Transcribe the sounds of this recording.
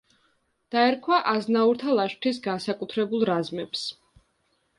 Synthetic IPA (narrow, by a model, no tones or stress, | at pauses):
d̪̥aɛɾkʰwaʔaznauɾt̪ʰalˠaʃt̪ʰis̬ɡansakʼut̪ʰɾɛbulˠɾazmɛps